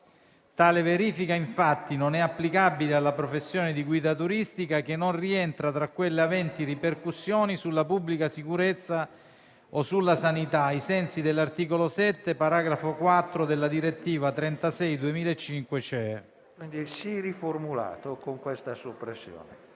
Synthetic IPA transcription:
t̪aːleveɾiːfikaiɱfat̪ːinonɛapːlikabilealːapɾofesːjoːned̪iɡwiːd̪at̪uɾist̪ikakenːonriɛnt̪ɾat̪ɾakwelːeavɛnt̪iriperkusːjoːnisulːapubːlikasikuɾet̪sːa | osulːasanit̪aisɛnsid̪elːart̪iːkolosɛt̪ːepaɾaɡɾafokwat̪ːɾod̪elːad̪iɾet̪ːiːvat̪ɾɛnt̪asɛjd̪uemiːlaet͡ʃːiŋkwet͡ʃɛ | kwind̪isiriformula̰ːt̪okoŋkwest̪asopɾesːjo̰ːne

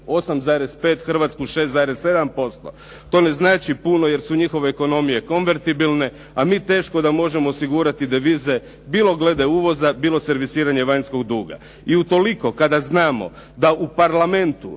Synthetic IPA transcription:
o̞samzaːɾe̞spe̞ːt̪xr̩ʋat̪skuʃe̞st̪aːɾesːe̞d̪ampo̞st̪o̞̰ | t̪o̞ːne̞znaːt͡ʃipuno̞je̞ɾsuɲixo̞ʋe̞ːko̞no̞mije̞ko̞nʋe̞ɾt̪ibilˠne̞ | amiːt̪e̞ːʃko̞d̪amo̞ʒe̞mo̞ːsiɡuɾat̪id̪eʋiːze̞ | biːlˠo̞ɡle̞d̪euːʋo̞zabiːlˠo̞se̞ɾʋisiːɾaɲe̞ʋaɲsko̞ɡd̪uːɡa̰ | iut̪o̞liko̞kad̪aznaːmo̞̰ | d̪aʔupaɾlˠame̞nt̪u

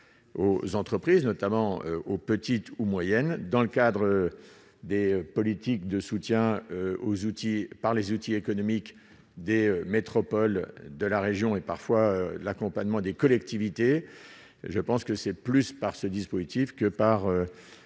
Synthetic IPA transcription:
o̰zɑ̃t̪χəpχiznɔt̪amɑ̃ø̰opət̪it̪umwajɛnd̪ɑ̃ləkad̪ʁə | d̪epɔlit̪ikd̪əsut̪jɛ̃øozut̪ipaʁlezut̪iekɔnɔmik | d̪eømet̪χɔpɔld̪əlaʁeʒjɔ̃epaʁfwaølakɔ̃paɲmɑ̃d̪ekɔlɛk̚t̪ivit̪e | ʒəpɑ̃skəsɛplyspaʁsəd̪ispozit̪ifkəpaʁø

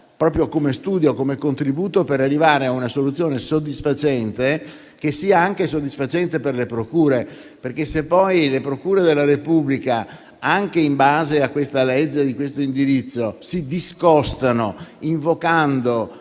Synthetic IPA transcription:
pɾɔːpɾjokomest̪uːd̪jokomekont̪ɾibuːt̪opeɾarːivaːɾeaunasolut̪sːjoːnesod̪ːisfat͡ʃɛnt̪e | kesiːaaŋkesod̪ːisfat͡ʃɛnt̪eperlepɾokuːɾe | perk̟esepːɔjlepɾokuːɾed̪elːaɾepublika | aŋkeimbaːzeakːwest̪alɛd͡ʒːed̪ikwest̪oind̪iɾit̪sːosid̪iskɔst̪anoiɱvokand̪o

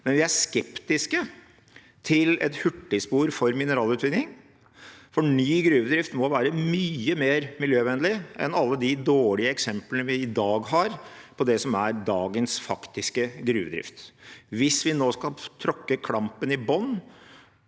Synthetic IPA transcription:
mɛnʋɪæʂkɛpt̪ɪskə | t̪ʰɪlɛt̪hʉʈːɪspuːɾfɔɾmɪnəɾɑːlʉːt̪ʋɪnnɪŋ | fɔnyːɡɾʉːʋəd̪ɾɪft̪mɔʋæːɾəmyːəmeːɾmɪljøːʋɛnlɪʔɛ̰nɑlːəd̪ɪd̪oːɭɪəɛksɛmplənəʋɪɪd̪ɑːɡɦɑɾpʰɔd̪ɛsɔmæɾd̪ɑːɡənsfɑkt̪ɪskəɡɾʉ̰ːʋəd̪ɾɪ̰ft̪ʋɪsʋɪnoːskɑlt̪ʰɾɔkːəkʰɽɑmpənɪbɔnː

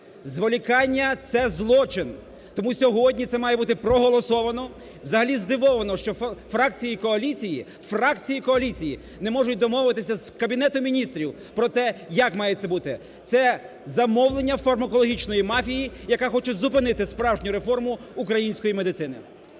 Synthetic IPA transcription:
zʋɔlʲikɑnʲːɐt̪sɛzlˠɔt͡ʃɪn | t̪ɔmusʲɔɦɔdʲnʲit̪sɛmɑjɛbut̪ɪpɾɔɦɔlˠɔsɔʋɐnɔ | wzɐɦɐlʲizd̪ɪʋɔʋɐnɔʃt͡ʃɔfɾɑkt͡sʲijikɔɐlʲit͡sʲiji | frɑkt͡sʲijikɔɐlʲit͡sʲiji | nɛmɔʒʊt̚ʲd̪ɔmɔwʋɪt̪ɪsʲɐzkɐbʲinɛt̪ʊmʲinʲist̪ɾʲiw | pɾɔt̪ɛjɐkmɑjɛt̪sɛbut̪ɪ | t̪sɛ | zɐmɔwlˠenʲːɐfɐrmɐkɔlˠɔɦʲit͡ʃnɔjimɑfʲijijɐkɑxɔt͡ʃɛzʊp̬ɪnɪt̪ɪspɾɑwʒnʲʊɾe̞fɔrmʊːkɾɐjinʲsʲkɔjime̞d̪ɪt̪sɪnɪ̰

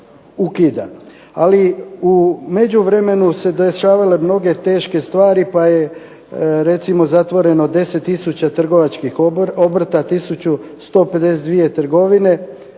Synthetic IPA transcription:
ukid̪a̰ | aliume̞d͡ʑuʋɾe̞me̞nuse̞d̪eʃaːʋale̞mno̞ɡe̞t̪e̞ːʃke̞st̪ʋaːɾipaje̞ | ɾe̞t̪simo̞zat̪ʋo̞ɾe̞nod̪e̞se̞t̪ːisut͡ɕat̪r̩ɡo̞ʋat͡ʃkixo̞br̩t̪at̪isut͡ɕust̪o̞ːpe̞d̪e̞sed̪d̪ʋie̞t̪r̩ɡo̞ʋine̞

